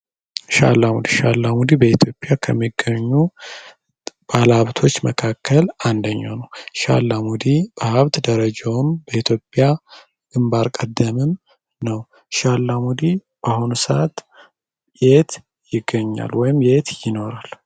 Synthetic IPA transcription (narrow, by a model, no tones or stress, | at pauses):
ʃa̰lːamud̪iʃalːamud̪ibəit̪ʰjo̞pʼjakʰəmːiɡːəɲːu | b̥alaβt̪ʰo̞t͡ʃːməkʰakʰːəland̪əɲːa̰nəwʃa̰lːamud̪ib̥əhaβt̪d̪əɾəd͡ʒawmbəit̪ʰjo̞pʼːja | ɡ̥ɨmbaɾkʼəd̪ːəmɨm | nəw | ʃalːamud̪i | b̥ahunusa̰t̪ | jet̪ | jɪɡːəɲːa̰lwɔjɪmjet̪jɪno̞ɾal